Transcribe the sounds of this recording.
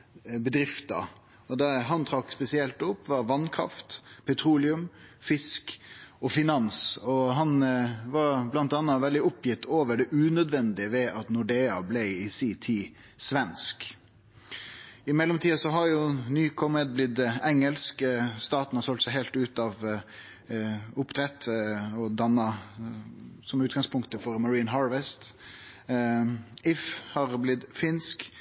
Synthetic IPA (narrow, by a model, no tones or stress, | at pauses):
bəd̪ɾɪft̪ɑ̰ | ɔd̪ɛɦɑnt̪ʰɾɑkspɛsɪɛlt̪ɔpːʋɑʋɑnkʰɾɑ̰ft̪pʰɛt̪ʰɾuːlɪʉmfɪskɔfɪnɑnsɔɦɑnʋɑɾblɑnt̪ɑːnːɑʋɛld̪ɪɔpʰːjɪt̪ːʰoːʋəɖɛʔʉːnœd̪ʋɛnd̪ɪəʋɛʔɑt̪nʊɖeːɑblæɪɪsiːt̪ʰiː | sʋɛnsk | ɪmɛlːɔmt̪ʰiːɑsɔɦɑɾjʊnyːkʰɔməd̪̚blɪd̪ɛŋəlskst̪ɑːt̪n̩hɑsɔlt̪sæɪɦɛɪlt̪ʉːt̪ɑʋ | ʊpt̪ʰɾɛt̪ːɔd̪ɑnːɑ | sɔmʉːt̪̚ɡɑŋspʰʊŋkt̪əfɔɾmɑɹiːnɦɑːɾʋɛst̪ | ɪfhɑɾblɪd̪fɪnsk